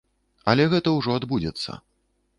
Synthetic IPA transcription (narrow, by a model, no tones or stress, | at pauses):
ɐlʲɛɣɛt̪ɐwʐɔad̪bud͡zʲɛt̪sːɐ̰